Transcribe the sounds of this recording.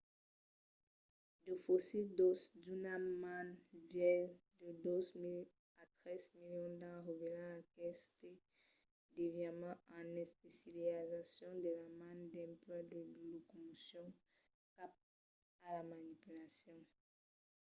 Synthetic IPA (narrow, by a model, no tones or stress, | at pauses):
d̪ofosid̪ɔsd̪ynamãnvjɛn | d̪əd̪ozmil | at̪χɛzmiljɔ̃d̪ãʁevelɑ̃akɛst̪e | d̪evjamɑ̃ãnɛspesiliazasjɔ̃d̪elamãnd̪ɛ̃mplad̪əlokomusjɔ̃ | kap̚ | alamanipylasjɔ̃